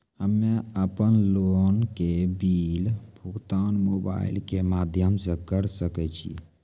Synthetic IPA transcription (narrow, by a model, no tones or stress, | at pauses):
həmːeəpənlonkebilbʱuɡt̪anmoba̰ḭlkemad̪ʱjəmsəkəɾsəkɛt͡ʃʰḭ